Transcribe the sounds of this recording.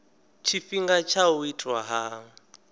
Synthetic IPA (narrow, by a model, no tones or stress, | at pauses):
t͡ʃʰifiŋɡat͡ʃʰauitʰʼwaɦa